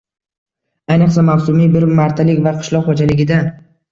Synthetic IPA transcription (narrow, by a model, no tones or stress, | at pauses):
ajnɨqsamawsʊmibɪɾmaɾt̪ʰalɪkʲvaqʰɨ̥ʃlˠɒqχod͡ʒalɪɡʲɪd̪an